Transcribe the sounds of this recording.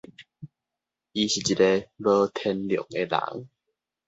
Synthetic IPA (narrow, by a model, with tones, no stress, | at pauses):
i˧ɕi˨˩t͡ɕi˨˩te˧bə˦t̪ʰɛ˧nljo̰˨˩˦ŋe˧la̰˨˩˦ŋ